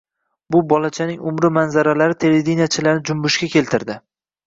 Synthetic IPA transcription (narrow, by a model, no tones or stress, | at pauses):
bʊbɒlat͡ʃʰanɪŋʊmɾɪmanzaɾalaɾɪt̪ʰeled̪inijat͡ʃʰɪlaɾnɪd͡ʒʊmbʊʃkʲakʲe̞lt̪ʰɪɾd̪ɪ